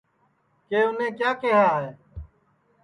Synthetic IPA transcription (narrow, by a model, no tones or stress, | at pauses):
keːʊnẽːkjaːkeːɦaːɦeː